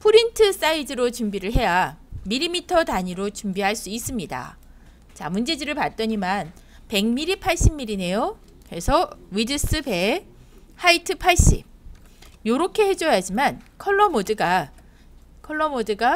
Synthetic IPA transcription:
pʰuɾintʰɯs͈aidɯɾot͡ɕumbiɾɯɭɦe̞jamiɾimitʰʌtaɲiɾot͡ɕumbiɦaɭs͈uis͈ɯmɲida̰ | t͡ɕamund͡ʑe̞dɯɾɯɭpat̚t͈ʌɲiman | pe̞ŋmiɾipʰaɭɕ͈imːiɾine̞jo | kɾe̞sʰʌwidɯs͈ɯbe̞ | haitʰɯpʰaɭɕ͈ḭb̚ | joɾʌkʰe̞he̞d͡ʑʌjad͡ʑimankʰʌɭːʌmodɯɡa | kʰʌɭːʌmodɯɡa

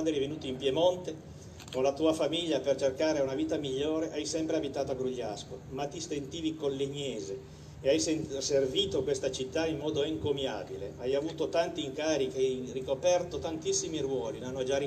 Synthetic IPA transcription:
nd̪ɛɾjvenuːt̪oimpjemont̪e | konlat̪uːafamiʎːapert͡ʃerkaːɾeaunaviːt̪amiʎːoːɾeʔajsɛmpɾeabit̪aːt̪oaɡɾuʎːa̰skomat̪ːist̪ent̪iːvikolleɲːɛːzeː | ajseserviːt̪okwest̪at͡ʃit̪ːaimːɔːd̪oeŋkomja̰ːbilḛajavuːt̪ot̪ant̪iːŋkaːɾik̟eajrikopɛrt̪ot̪ant̪isːimirwɔːlinanːod͡ʒai

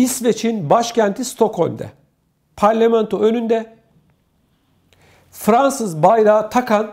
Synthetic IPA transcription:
isvet͡ʃʰinbaʃcʰænt̪ʰist̪ʰo̞kʰhomʲd̪ɛ̰ | pʰaɾlʲamɛnt̪ʰoø̞nynd̪ɛ | fɾansɯzbajɾaːt̪ʰakʰan

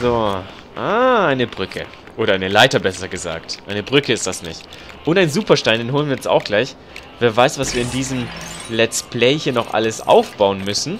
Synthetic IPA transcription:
z̥oː | ʔaːʔaɪnəbʁʏkʰə̰ | ʔoːɾɐaɪnəlaɪtɐbɛsɐɡəza̰ːktʔaɪnəbʁʏkəɪstd̥asnɪ̰çt | ʔʊntaɪnzuːpɐʃtaɪndeːnɦoːlənviːɛsa̰ʊxɡ̥laɪç | veːɐvaɪsv̥asv̥iːɐɪndiːzəmlɛt͡splɛɪhiːɐnɔχʔa̰ləsʔa̰ʊfb̥aʊənmʏsn̩

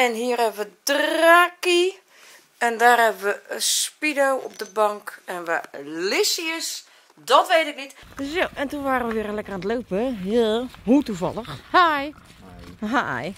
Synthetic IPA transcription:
ɛnɦiːərhɛbəʋədraːki | ɛndaːrhɛbəʋəəspidowɔ̰p̚dəbɔŋkɛnʋalɪsiəs | dɔtʋeːtɪk̚nitdøsjoʔɛntunʋaːɾəʋəʋɪəɾəlɛkəraːnətlowpəɦlɦutuvɔ̰lˠəxhaj | ɦaj

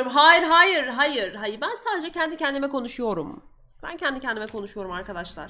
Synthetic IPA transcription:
umɦaːjiɾɦaːjɯɾɦajɯɾɦajɯɾbænsaːd̪ed͡ʒɛcʰɛnd̪icɛnd̪imɛko̞nuʃujo̞ɾum | b̥æ̰ncʰɛnd̪icʰɛnd̪imɛkʰo̞nuʃujo̞ɾumaɾkad̪aʃlˠa̰ɾ̥

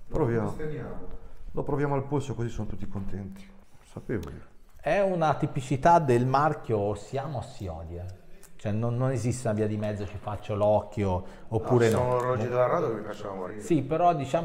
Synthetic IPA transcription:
pɾovjamalopɾovjaːmoalposokozisːonot̪ut̪ːikont̪ɛnt̪i̥sapeːvo̰li | ɛunat̪ipit͡ʃit̪ad̪elmark̟josjaːmoasːiɔ̰ːd̪jet͡ʃoɛnːonːonezist̪eunaviːad̪imɛd̪zːot͡ʃifat͡ʃːolɔkːjoːpːuːɾeeonorɔd͡ʒid̪elaɾad̪jokevifjat͡ʃːavamssipːeɾɔd̪it͡ʃaː

